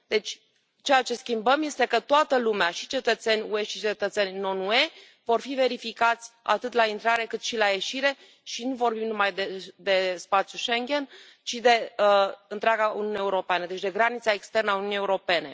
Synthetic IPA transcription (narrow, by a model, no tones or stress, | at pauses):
d̪e̞t͡ʃʲ | t͡ʃejat͡ʃe̞skʲimbəmje̞st̪e̞kət̪oat̪əlumeaʃit͡ʃe̞t̪ət̪se̞nʲue̞ʃit͡ʃe̞t̪ət̪se̞nʲno̞nue̞ | vo̞rfive̞ɾifikat̪sʲa̰t̪ɨt̪laint̪ɾaɾe̞kɨt̪ʃilaje̞ʃiɾe̞ | ʃinuvo̞rbimnumajd̪ed̪e̞spat̪sjuʃe̞ŋɡʲe̞n | t͡ʃid̪e̞əɨnt̪ɾeaɡaṵnijuneeuɾo̞peanəd̪e̞t͡ʃʲd̪e̞ɡɾanit̪saekst̪e̞rnəaunjunijeuɾo̞pe̞ne̞